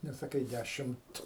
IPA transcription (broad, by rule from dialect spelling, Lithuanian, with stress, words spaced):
nʲɛsɐˈkɐɪ ˈdʲæʃʲɪmt